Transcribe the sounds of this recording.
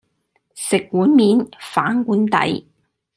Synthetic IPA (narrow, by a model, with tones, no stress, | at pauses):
sɪ˨kːuː˨˥nmiː˨˥nfaː˨˥nkuː˨˥nt̪ɐ̰˨˥j